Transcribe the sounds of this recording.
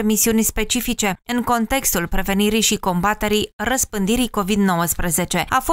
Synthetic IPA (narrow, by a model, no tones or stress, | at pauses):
emisiunʲspe̞t͡ʃifit͡ʃe̞ɨŋko̞nt̪e̞kst̪ulpɾe̞ve̞niɾijʃiko̞mbat̪e̞ɾijrəspɨnd̪iɾijko̞vid̪no̞wəspɾeze̞t͡ʃe̞a̰fo